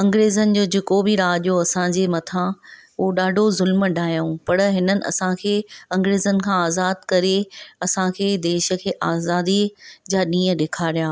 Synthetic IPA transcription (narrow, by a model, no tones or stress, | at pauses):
ɐ̃ŋɡɾeːzənɪ̆d͡ʑoːd͡ʑekobʱɪɾaːʄijoɐsãd͡ʑeːmɐt̪ʰãʊɦoɗaːɖʱozʊlməɖʱaːjũpɐɽɦɪnənɪ̆ɐ̰sãkʰeːɐ̃ŋɡɾeːzənɪ̆kʰãaːzaːd̪̚kɐɾeɐsãkʰeːd̪eːʃə̆kʰeːʔaːzaːd̪id͡ʑaːɗĩːə̃ɗeːkʰaːɾijaː